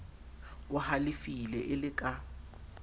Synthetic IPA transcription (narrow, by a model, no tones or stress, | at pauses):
ʊhalifilɛʔɪlɪkʼa